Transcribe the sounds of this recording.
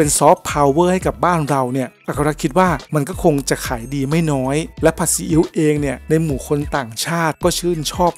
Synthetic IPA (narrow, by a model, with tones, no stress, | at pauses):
pe˧nsɔː˦˥pʰːaː˧wːɤː˥˩ha˥˩jka˨˩p̚baː˥˩nɾa˧wni˥˩ɐʔa˨˩ka˧ɾa˦˥kʰi˦˥t̪̚waː˥˩ma˧nkɔː˥˩kʰo˧ŋt͡ɕa˨˩kʰaː˩˦jdiː˧ma˥˩jnɔː˦˥jlɛ˦˥pʰa˨˧˩t̚si˨˦ʔi˦˥wʔeː˧ŋni˥˩ɐna˧jmuː˩˦kʰo˧nt̪aː˨˩ŋt͡ɕʰaː˥˩t̪̚kɔː˥˩t͡ɕʰɯː˥˩nt͡ɕʰɔː˥˩p̚